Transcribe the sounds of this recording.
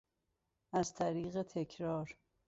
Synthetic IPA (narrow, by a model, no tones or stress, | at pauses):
ʔæzt̪ʰæɾiːɣet̪ʰe̞cʰɾɒːɾ